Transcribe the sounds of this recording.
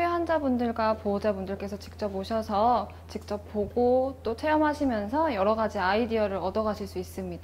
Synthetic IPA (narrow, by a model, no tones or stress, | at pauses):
eɦand͡ʑabundɯɭɡwapod͡ʑabundɯɭk͈e̞sʰʌt͡ɕi̥k̚t͡ɕ͈ʌboɕʰʌsʰʌ | t͡ɕik̚t͡ɕ͈ʌp̚p͈oɡot͈otʰe̞ʌmɦaɕʰimjʌnsʰʌjʌɾʌɡad͡ʑiaidiʌɾɯɾʌdʌɡaɕʰiɭs͈uis͈ɯmɲida